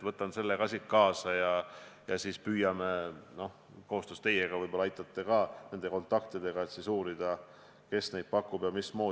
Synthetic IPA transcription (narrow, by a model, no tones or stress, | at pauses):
vɤt̪ːˑɑnse̞lːekɑsʲikkɑːsɑjɑjɑsiːspyːjɑmeno̞h | ko̞host̪ost̪e̞jeɡ̥ɑvɯjbo̞lɑɑjt̪ːˑɑt̪ːe̞kɑːne̞nd̪̥e̞ko̞nt̪ːˑɑkt̪id̪e̞ɡ̥ɑet̪sisuːɾid̪̥ɑ | ke̞sne̞jd̪̚pɑkːˑubjɑmismo̞ː